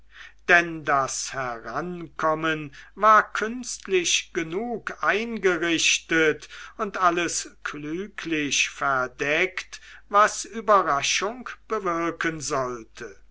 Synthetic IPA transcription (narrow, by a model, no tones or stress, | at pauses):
d̥ɛndashɛʁankʰɔmənvaːɐkʰʏnstlɪʃɡ̥ənuːkʔaɪnɡəʁɪɕtətʊntʔaləskʰlyːkʰlɪʃfɛɐdɛktvasyːbɐʁaʃʊŋkb̥əvɪɐkənzɔltʰə